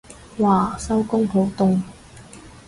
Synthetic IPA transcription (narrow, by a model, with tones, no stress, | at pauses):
waː˨˩sɐ˥wkʊ˥ŋpʰo˨˥wt̪ʊ˧ŋ